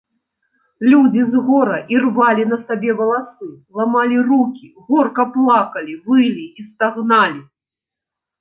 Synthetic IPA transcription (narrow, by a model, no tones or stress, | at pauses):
lʲud͡zʲizɣɔɾɐʔirvalʲinɐsabʲɛvɐlˠasɨlˠamalʲirukʲiɣɔrkɐplˠakɐlʲivɨlʲiːst̪aɣnalʲi